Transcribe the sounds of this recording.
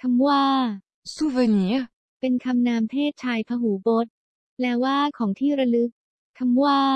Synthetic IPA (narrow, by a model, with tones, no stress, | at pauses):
kʰa˧mwaː˥˩ | su˥˩ve˧ni˨˦ | pe˧nkʰa˧mnaː˧mp̪ʰeː˥˩t̪̚t͡ɕʰaː˧jpʰa˧ɦuː˩˦bo˦˥t̪̚ | lɛː˦˥waː˥˩kʰɔː˩˦ŋt̪ʰiː˥˩ɾa˧lɯ˦˥k̚ | kʰa˧mwaː˥˩